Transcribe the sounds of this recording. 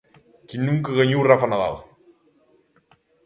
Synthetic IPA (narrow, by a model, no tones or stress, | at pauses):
kinːuŋkəɣəɲiwrafanaða̰l